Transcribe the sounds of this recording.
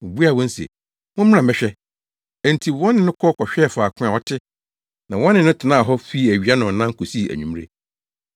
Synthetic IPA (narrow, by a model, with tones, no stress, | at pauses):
ʊ˨bu˦a˨wɔ̃˦n̩˦sḛ˨ | mʊ̃˦m̃˦ã˨mɛ̃˦ɕᶣɛ˦ | ẽ˨n˨tʰi˨wɔ̃˦nːɪ̃˨nʊ̃˦kʰɔ˦kʰɔ˨ɕᶣɛ˦˨fʊ˨a˨kʰʊ̃˦a˨ɔ˦tʰɪ˦ | nã˨wɔ̃˦nːɪ̃˨nʊ̃˦tʰɪ˨nã˦˨ɦɔ˦fi˦æ˨ɥi˨a˦nʊ̃˨n˨nã˦ŋ˦kʰo˨si˦˨æ̰˨ɲᶣũ˨m˦ɾḛ˨